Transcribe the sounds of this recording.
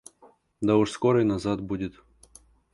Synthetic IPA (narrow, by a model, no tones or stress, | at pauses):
d̪ɐʊʂskoɾəjnɐzat̪budʲɪt̪